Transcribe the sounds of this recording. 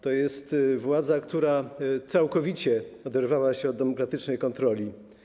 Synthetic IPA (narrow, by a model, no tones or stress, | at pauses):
t̪ɔjɛst̪vwad̪zakt̪uɾat̪sawkɔvʲit͡ɕɛɔd̪ɛɾvawaɕɛɔd̪ːɛmɔkɾat̪ɘt͡ʂnɛjkɔnt̪ɾɔlʲi